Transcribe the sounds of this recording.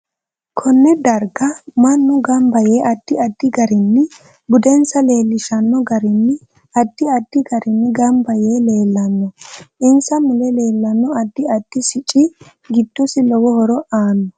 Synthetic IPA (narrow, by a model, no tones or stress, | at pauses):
kʰɔnːɛd̪ɐɾɡɐmɐnːʊɡɐmbɐjeːʔɐd̪̥ːɪɐd̪ːɪɡɐɾɪnːɪ | bʊd̪ɛnsɐle̞ːlːɪʃɐnːɔɡɐɾɪnːɪ | ɐd̪ːɪɐd̪̥ːɪɡɐɾɪnːɪɡɐmbɐjeːle̞ːlːɐnːɔʔɪnsɐmɪlɛle̞ːlːɐnːɔɐd̪ːɪɐd̪̥ːɪsɪt͡ʃʼːɪ | ɡɪd̪̥ːɔsɪlɔwɔhɔɾɔʔaːnːɔ